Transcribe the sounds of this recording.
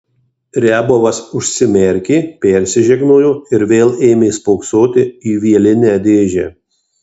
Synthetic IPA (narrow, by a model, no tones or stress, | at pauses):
ɾʲæːboːʋɐsʊʃʲsʲɪmʲɛɾʲkʲeːpʲɛɾʲsʲɪʒʲɛɡnoːjoːɪɾʋʲeːlˠeːmʲeːspɔʊksoːt̪ʲɪiːʋʲiɛlʲɪnʲæd̪ʲeːʒʲæː